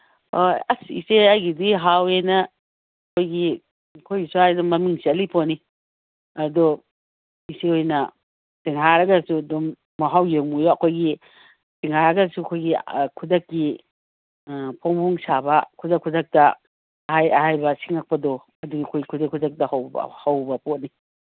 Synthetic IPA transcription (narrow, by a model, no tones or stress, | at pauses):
oɐsḭseɐjɡidiɦawenɐ | ɐkʰojɡi | kʰojɡisuajnɐmɐmiŋsiɐlipʰoni | ɐdo | iseojnɐ | tiŋɦaɾɐɡɐsudomː | aɦawjeŋmujoɐkʰojɡi | tiŋhaɾɐɡɐsuɐkʰojɡikʰudɐkːi | pʰoŋbuŋsabɐkʰudɐkʰːudɐk̚tɐ | ɐhajɐɦajbɐsiŋɐk̚pɐdɔ | ɐduɡiɐkʰojɡikʰudɐkʰudɐk̚tɐhawb̰hawbɐpot̚ni